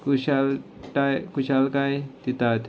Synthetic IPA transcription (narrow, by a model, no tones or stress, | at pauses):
kuʃal | ʈajkuʃalkajt̪it̪at̪